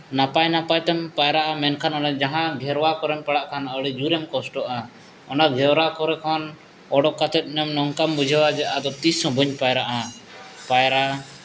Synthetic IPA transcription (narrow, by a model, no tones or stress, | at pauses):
napajnapajt̪ɛmpajɾaʔamɛnkʰanɔnad͡ʒaɦãɡʱɛɾwakɔɾɛmpaɽaʔkʰanɔɽɛd͡ʒuɾɛmkɔsʈɔʔa | ɔnaɡʱɛwɾakɔɾɛkʰɔn | ɔɽɔkat̪ɛt̪̚ˀnɔmnɔŋkambud͡ʒʱawad͡ʒɛʔad̪ɔt̪isɔ̃bʱəɲpajɾaʔapajɾa